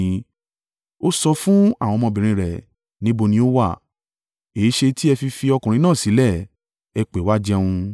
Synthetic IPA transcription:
o˦sɔ˧fũ˦a˦˨w̃ɔ̃˧mɔ̃˧bĩ˨ɾ̃ĩ˧ɾɛ˨ | nĩ˦bo˧nĩ˧˦o˦wa˦˨ | e˨˦ʃe˧ti˦ɛ˧fi˧fi˧ɔ˧kũ˨ɾ̃ĩ˧nãː˦˨si˨˦lɛ˦˨ | ɛ˧k͡pe˨˦wa˦d͡ʒɛ˦wũ˧

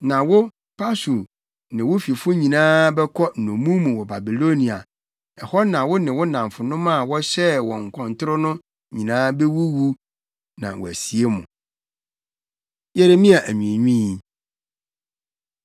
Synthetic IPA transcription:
nã˨wʊ˦ | pʰa˦su˨ | nɪ̃˨wʊ˦fi˨fʊ˦ɲĩ˨nãː˦bɛ˦kʰɔ˦n̩˨nõ˨mũ˦mũ˨wɔ˨ba˨bi˨lo˦nĩ˨a̰˨ | ɛ˨hɔ˦nã˨wʊ˦nɪ̃˨wʊ˦nã˨m˨fʊ˨nʊ̃˦mã˦˨wɔ˦ɕɛ˦wɔ̃˨ŋ̩˨kʰɔ̃˨ntʰʊ˦ɾʊ˦nʊ̃˦ | ɲĩ˨nãː˦be˦wu˦wu˦ | nã̰˨wɔ̰˨æ˨si˨e˦mʊ̰̃˨ | je˦ɾe˦mĩ˦a˨ʔæ˨ɲũ˨e˨ɲᶣĩ˦i˨

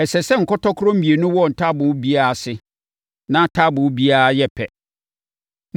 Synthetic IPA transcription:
ɛ˨sɛ˨sɛ˦ŋ̩˨kʰɔ˦tɔ˦kʰʊ˦ɾɔ̃˦m̩˦bi˨e˨nʊ̃˦wɔ˦˨n̩˨tʰa˦bʊ̃˨wbi˦a˦a˦˨sɪ˦ | nã˦tʰa˦bʊ̃˨˦bi˦a˦jɛ˦pʰɛ˨

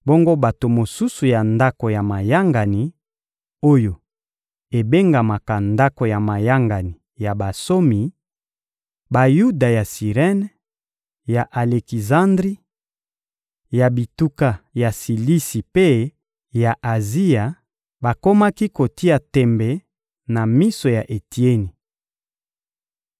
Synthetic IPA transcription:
bo˦ŋɡo˦ba˨to˨mo˨su˦su˨ja˨nda˦ko˨ja˨ma˨ja˦ŋɡa˨ni˨ | o˦jo˨ | e˨be˦ŋɡa˨ma˨ka˨nda˦ko˨ja˨ma˨ja˦ŋɡa˨ni˨ja˨ba˨so˦mi˨ | ba˨ju˦da˨ja˨si˨ʁɛ˦n | ja˨ʔa˨le˨ki˨zã˦ndʁi˦ | ja˨bi˨tu˦ka˨ja˨si˨li˦si˨pe˦ | ja˨ʔa˨zi˦ja˨ | ba˨ko˦ma˦ki˦ko˨ti˦a˨tɛ˨mbɛ˨ | na˨mi˦so˨ja˨ʔe˨ti˦e˦ni˨

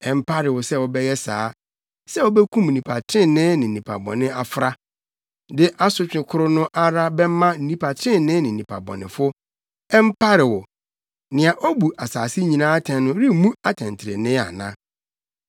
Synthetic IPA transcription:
ɛ˨m̩˦pʰa˦ɾɪ˨wɔ˨sɛ˦wɔ˨bɛ˦jɛ˦sa̰ː˨˦ | sɛ˦wɔ˦bɛ˦kʰũ˦m̩˨nĩ˨pʰa˨tʰɾɪ̃˦˨nɪ̃˦nɪ̃˨nĩ˨pʰa̰˨bɔ̰̃˨nɪ̃˦a˨fɾa˦ | dɪ˦ʔa˦sʊ˦t͡ɕᶣɪ̃˨kʰʊ˦ɾʊ˦nʊ̃˦ʔa˦ɾa˦bɛ˦mã˦n̩˦nĩ˨pʰa˨tʰɾɪ̃˦nɪ̃˦nɪ̃˨ĩ˨pʰa̰˨bɔ̰˨nɪ̰̃˨fʊ˦ | ɛ˦m̩˦pʰa˦ɾɪ˨wɔ˨ | nɪ̃˨a˨ʔɔ˦bu˨ʔa˨saː˨sɪ˦ɲĩ˨nãː˦tʰɛ̃˨nː˦ʊ̃˦ɾi˦mũ˦a˨tʰɛ̃˨n˨tʰɪ˨ɾḛ˨nɪ̃˦a̰˨nã̰˦

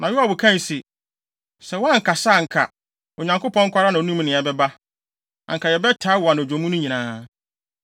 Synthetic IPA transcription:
nʔã˨jɪ˦a˨bʊ˨kʰã˦n˨si˨ | sɛ˨wɔ˦ã˦ŋ̩˨kʰa˨sa˦˨ŋ̩˨kʰa̰˨ | o˨ɲã˨ŋko˦pʰɔ̃˦ŋ̩˦kʷʰa˦ɾa˦nã˨˦nũ˦m˦nɪ̃˨ɛ˨bɛ˦ba˦ | ã̰˨ŋ̩˨kʰa˨jɛ˨bɛ˦tʰaː˦wa˨ñ˨d͡ʑᶣõ˨mũ˦nʊ̃˦ɲĩ˨nãː˦

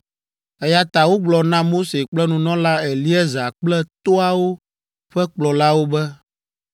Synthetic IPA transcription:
ɛ˦ja˨t̪a˨wo˦ɡ͡blɔ˨nã˦mo˦se˨k͡plɛ˦nũ˨nɔ̃˦la˦ɛ˨li˦ɛ˦za˨k͡plɛ˦t̪o˦a˨wo˦ | ɸɛ˦k͡plɔ˨la˦wo˦bɛ˦

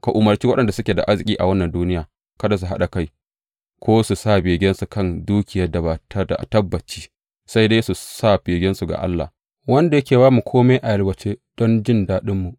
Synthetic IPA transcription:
ka˨ʔʊ˨mɐ˨rt͡ʃiː˦wɐ˦ɗɐ˨nda˨sʊ˦kʲeː˨da̰˨ʔa˦rzɪ˨kʲʼiː˦ʔa̰˨wɐ˦nːɐ˨nduː˦nɪ˦jaː˨ | kɐ˦da˨s̬u˨ɦa̰˦ɗa˨ka˦˨j | kʷoː˦su˨saː˦˨beː˨ɡʲɛ˦nsu˨kɐ˦˨nduː˦kʲɪ˨jɐ˦rda˨ba˨tɐ˦da̰˨tɐ˦bːɐ˨t͡ʃiː˦ | sa˦jda˦su˨sa˦˨beː˨ɡʲɛ˦nsu˨ɡa̰˨ʔa̰˦lːa̰˨ | wɐ˦nda˨jɐ˦kʲeː˨baː˦mu˨kʷʰoː˦meː˦ʔa˨jɐ˦lwɐ˨t͡ʃeː˦d̥ɔ˦nd͡ʒɪ˦ndaː˦ɗɪ˦mːu˨ʔ

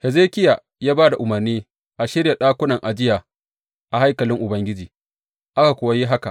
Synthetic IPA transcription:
hɛ˨zeː˦kʲɪ˦ja˨ | jaː˦baː˦da˨ʔʊ˨mɐ˨rniː˦ | ʔa˨ʃɪ˦ɾja˨ɗaː˦kʷʊ˦nɐ˨ŋʔa˨d͡ʒɪ˦jaː˨ | ʔa˨ha˦jkɐ˨lɪ˦ŋʔʊ˨bɐ˦ŋɡʲɪ˦d͡ʒiː˨ | ʔa˦ka˨kʷʊ˨wa˦ji˦ɦa˦ka˨ʔ

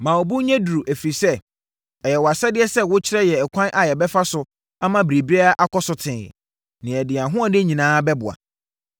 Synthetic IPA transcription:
mã˨ɔ˨bu˦ɲɛ̃˦du˨ɾu˨ʔæ˨fi˨sɛ˦ | ɛ˨jɛ˨wɔ˨a˨sɛ˦dɪ˦ɛ˦sɛ˦wʊ˦t͡ɕʰɪ˦ɾɛ˦jɛ˨ɛ˨kʷʰã˦nʔa˨jɛ˨bɛ˦fa˦sʊ˨ | a˦mã˨bɾe˨bi˦a˦ʔa˦kʰɔ˦sʊ˨tʰɪ̰̃˨ | nɪ̃˨ɛ˨dɪ˨a˨ɦʊ̃˦a˦˨dɪ˦ɲĩ˨nãː˦bɛ˦bʊ̰˨a̰˨

